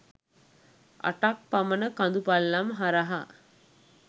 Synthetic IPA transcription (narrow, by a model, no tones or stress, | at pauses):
a̰ʈak̚pamənəkand̪upalːamɦaɾaɦa